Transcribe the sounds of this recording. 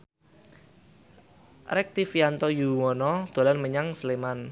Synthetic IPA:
rɛk̚t̪ifiant̪ɔjuwɔnɔd̪̥o̤lanməɲaŋsleman

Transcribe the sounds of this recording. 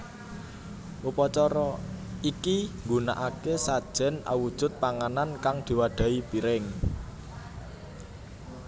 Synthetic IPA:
ʔupɔt͡ʃɔɾɔikiŋɡuna̰ʔakesad̥ʒ̥ɛ̤na̰wud̥ʒ̥ʊ̤t̪̚paŋanankaŋd̪̥i̤waɖ̪̥ä̤ipiɾɪŋ

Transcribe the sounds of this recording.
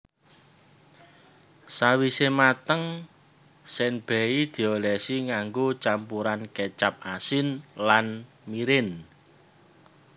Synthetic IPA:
sawisemat̪əŋ | sɛnb̥ɛ̤id̪̥i̤olɛsiŋaŋɡot͡ʃampuɾanket͡ʃap̚asɪnlan | miɾɪn

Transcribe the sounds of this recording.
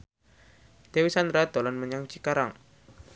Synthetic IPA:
d̪̥ewisand̪ɾad̪̥o̤lɔnməɲaŋt͡ʃikaɾaŋ

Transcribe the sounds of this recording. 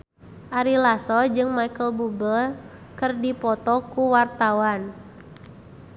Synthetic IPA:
ʔaɾilasɔd͡ʒɨŋmaikəlbubəl | kɨrdipɔt̪ɔkuwart̪awan

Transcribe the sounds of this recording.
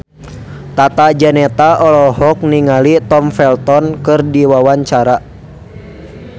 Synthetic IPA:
t̪at̪ad͡ʒanɛt̪aʔɔlɔɦɔk̚niŋalit̪ɔmfɛlt̪ɔnkɨrdiwawaɲt͡ʃaɾa

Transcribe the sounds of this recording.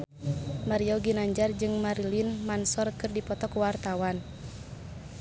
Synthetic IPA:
maɾiɔɡinaɲd͡ʒard͡ʒɨŋmaɾilinmansɔrkɨrdipɔt̪ɔkwart̪awan

